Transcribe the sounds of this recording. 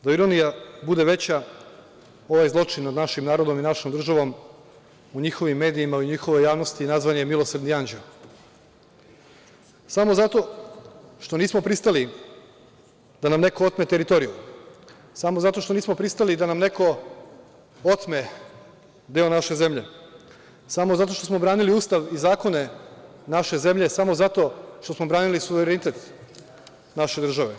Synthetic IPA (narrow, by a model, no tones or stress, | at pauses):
d̪aiɾonijabud̪e̞ʋe̞t͡ɕa | o̞ʋajzlˠo̞t͡ʂinnad̪naʃimnaːɾo̞d̪o̞minaʃomd̪ɾr̩ʒaʋo̞m | uɲixo̞ʋimːe̞ːd̪iimauɲixo̞ʋojaːʋnost̪inazʋanjemilˠo̞sɾd̪niand͡ʑel | samo̞zat̪o̞ | ʃt̪o̞niːsmopɾist̪ali | d̪anamne̞koot̪met̪eɾit̪o̞ɾiju | samozat̪o̞ʃt̪o̞niːsmopɾist̪alid̪anamne̞ko̞ | ot̪me̞ | d̪eonaʃe̞ze̞mʎe̞̰ | samozat̪̬o̞ʃt̪o̞smo̞bɾaːniliuːst̪aʋizaːko̞ne̞naʃe̞ze̞mʎe̞samo̞zat̪o̞ʃt̪o̞smo̞bɾaːnilisuʋeɾenit̪et̪ | naʃed̪r̩ʒaʋe̞